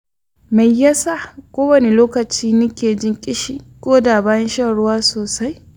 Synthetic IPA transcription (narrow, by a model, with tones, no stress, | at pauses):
ma˨jːa˦sa˦˨kʷoː˦wɐ˨ne˦loː˦kɐ˨t͡ʃiː˦nʊ˦kʲeː˨d͡ʒɪ˦ŋkʲʼɪ˦ʃiː˨kʷʼoː˦daː˨baː˦jɐ˦nʃɐ˦ɽʊ˦waː˦soː˨sa˦j